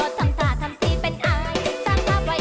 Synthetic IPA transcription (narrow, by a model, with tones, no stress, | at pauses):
o˨˧˥t̪ʰa˧˩mt̪ʰaː˨˩˦t̪ʰa˧˥mt̪ʰiː˥˩pe˧nʔaː˧jsaː˧˩ŋpaː˧˥p̚wa˨˧˥